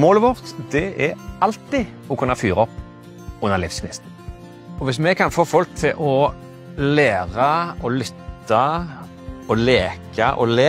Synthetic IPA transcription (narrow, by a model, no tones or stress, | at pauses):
moːləʋɔʁt̪d̪̥ɛʔɛɑlt̪ɪ | ɔkʰʉnːɑfyːʁɑɔpː | ʊnːəʁlɪfskɪnɪ̰sn̩ | ɔʋɪsmɛkʰɑnfoːfɔlk̚t̪ʰɪlʔɔ | leːʁɑɔlʏt̪ːɑ | ɔleːkʰɑʔɔ̰leː